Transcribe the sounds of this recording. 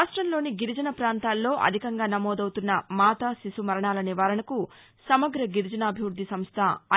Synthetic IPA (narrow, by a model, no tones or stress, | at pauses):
ʂʈɾɐmlo̞ːniɡiɾid͡ʒɐnɐpɾaːnt̪aːlːo̞ːʔɐ̰d̪ʱikɐŋɡaːnɐmɔːd̪ɐwt̪unːɐmaːt̪asisumɐɾɐɳaːlɐniʋaːɾɐɳɐku | sɐmɐɡɾɐɡiɾd͡ʒɐnaːbʱiʋɾud̪ʱːisɐmst̪ʰɐː